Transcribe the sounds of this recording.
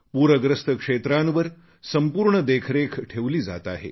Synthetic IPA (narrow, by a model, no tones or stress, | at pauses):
puːɾəɡɾəst̪əkʂet̪ɾanʋəɾ | səmpuːɾɳəd̪ekʰɾekʰʈʰeʋliːd͡za̰t̪a̰ɦḛ